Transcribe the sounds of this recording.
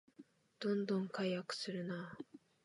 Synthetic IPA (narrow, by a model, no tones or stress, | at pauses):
d̪̥õ̞nd̪õ̞ŋkaijakɯ̟̥sɨɾɯ̟na